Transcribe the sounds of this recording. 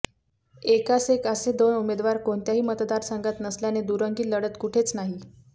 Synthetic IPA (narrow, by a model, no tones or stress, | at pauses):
ekasekəsed̪onumed̪ʋaɾkoɳt̪jaɦiːmət̪d̪aɾsaŋɡat̪nəsljaned̪uɾəŋɡiːləɽət̪kuʈʰet͡snaɦi